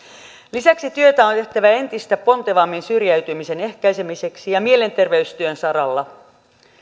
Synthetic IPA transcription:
lisæksit̪yøt̪æont̪e̞ht̪æʋæe̞nt̪ist̪æpo̞nt̪eʋɑmːinsyrjæyt̪ymise̞ne̞hkæjse̞mise̞ksijɑmie̞le̞nt̪e̞rʋeyst̪yønsɑɾɑlːɑ

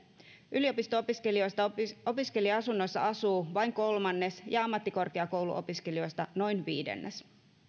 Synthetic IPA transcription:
ʔylio̞pist̪oopiske̞lio̞jst̪ɑo̞piske̞liɑɑsunːojsːɑ̰ɑsuːʋɑjŋko̞lmɑnːe̞sjɑɑmːɑt̪ːikorkeɑko̞wlṵʔo̰piskelio̞jst̪ɑno̞jnʋiːdḛnːes

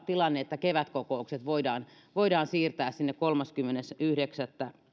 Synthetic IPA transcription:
t̪ilɑnːeet̪ːækeʋæt̪kokoukset̪ʋoidɑːn | ʋoidɑːnsiːrt̪æːssinːekkolmɑskymːenesyhdeksæt̪ːæ

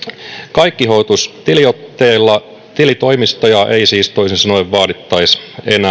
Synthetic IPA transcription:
kɑikːiɦoːt̪ust̪iliot̪ːeːlːɑ | t̪ilit̪o̞imist̪ojɑʔeisiːst̪o̞isinsɑnoeʋʋɑːdit̪ːɑisenæ

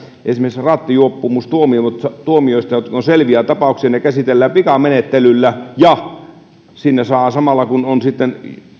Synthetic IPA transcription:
ʔḛsimeisrɑt̪ːijuopːumust̪uomiomut̪sɑt̪uomioˑist̪ɑjot̪konselʋiæˑt̪ɑpɑˑuksiɑnekæsit̪elːæːpikɑmenet̪ːelylːæjɑ | sinːesɑːsɑmɑlːɑkunonsit̪ːen

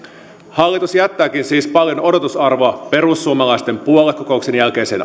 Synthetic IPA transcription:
hɑlːit̪usjæt̪ːæːk̟insiːspɑljo̞no̞dot̪usɑrʋoɑpe̞ɾusːuomɑlɑjst̪e̞mpuo̞lːekːo̞ko̞ukse̞njælke̞jse̞̰ːn

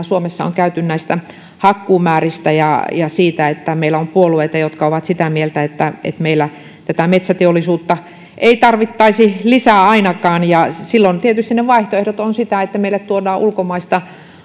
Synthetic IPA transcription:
suomesːɑo̰ŋkæyt̪ynnæist̪æ | hɑkːuːmæːrist̪æjɑ̰jɑsiːt̪æet̪ːæmeilːˑæompuolueit̪ɑjot̪kɑoʋɑt̪sit̪æmielt̪æet̪ːæḛt̪meilːæ | t̪æt̪æmet̪sæt̪eolːˑisuːt̪ːɑ | ʔeit̪ɑrʋit̪ːɑisilisæːɑinɑkɑːnjɑsilːont̪iet̪yst̪inneʋɑiht̪oehɾot̪onsit̪æet̪ːæmeilːæt̪t̪uodɑːʔulkomɑist̪ɑ

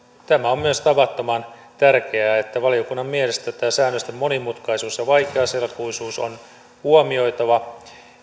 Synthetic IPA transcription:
t̪æmæo̞mmyøst̪ɑʋɑt̪ːomɑnt̪ærk̟e̞æːet̪ːæʋɑlio̞kunːɑmmielest̪æt̪æːsæːnːøst̪emːo̞nimut̪kɑjsuːsjɑʋɑjkeɑselkujsuːso̰n | huomio̞jt̪ɑʋɑ

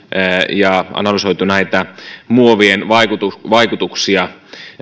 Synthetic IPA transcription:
jɑʔɑ̰nɑlysoit̪unæit̪æmuoʋienʋɑikut̪uʋɑikut̪uksiɑ

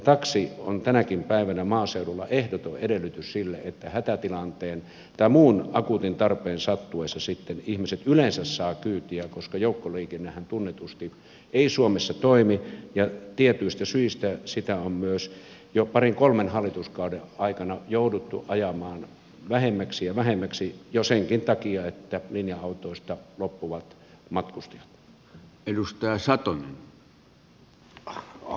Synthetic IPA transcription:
jt̪ɑksiont̪ænækimpæiʋænæmɑːseudulːɑʔehdot̪oʔedelːˑyt̪yssilːeet̪ːæhæt̪æt̪ilɑnt̪eːn | t̪ɑmuːnɑkut̪int̪ɑrpeːnsɑt̪ːueˑsːɑsit̪ːenihmiset̪ylensæssɑːkyːt̪iækoskɑjoˑukːoliːkenːehænt̪unːet̪ust̪i | eisuomesːɑt̪oimijɑt̪iet̪yist̪æsyist̪æsit̪æommyøs | jopɑriŋkolmenhɑlːˑit̪uskɑˑudeɑˑikɑnɑjoˑudut̪ːṵʔɑjɑmɑːn | ʋæhemːæksijɑʋæhemːæksijoseŋkint̪ɑkiɑet̪ːælinjɑɑˑut̪oˑist̪ɑlopːuʋɑt̪ | mɑt̪kust̪ɑ̥jɑ̥t̪ | elust̪ɑˑːsɑt̪onen

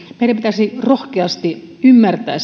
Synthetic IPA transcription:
meiɾæmpit̪æsirohkeɑst̪i | ymːært̪æ̰ːs

